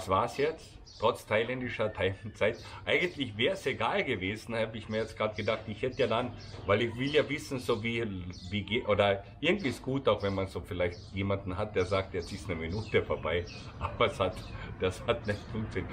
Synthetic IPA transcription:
sv̥aːɐsjɛt͡st | tʁ̥ɔt͡stʰaɪlɛndɪʃɐtʰaɪlnt͡saɪtʔaɪɡən̩tlɪçvɛːʁəseɡaːlɡəveːzn̩haːbəɪçmiːɐjɛt͡sstɡ̥ʁaːtɡ̥ədaχtɪçhɛtəjaːdan | vaɪlɪçv̥ɪljaːvɪsn̩zoːviːviːɡeʔoːdɐʔɪɐɡŋ̩tv̥iːsɡ̥uːtaʊxvɛnmanzoːfɪlaɪçtjeːmandn̩ɦat̚d̥eːɐzaːk̚tjɛt͡stɪstnəminuːtəfoːɐbaɪ | ʔaːbɐshatd̥ashatnɛçtfʊŋkt͡sɪ

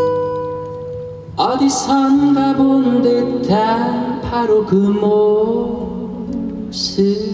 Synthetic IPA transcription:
ʌd̪isʰʌnɡabond̪et̪ʰapʰaɾokɯmo | sɯ

